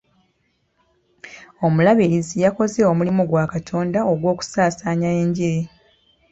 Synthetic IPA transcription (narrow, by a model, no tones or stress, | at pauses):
o̞mulaβiɾizijako̞ze̞o̞mulimuɡwaːkatʰo̞ːndao̞ɡwo̞ːku̥saːsaːɲae̞ɲɟiɾe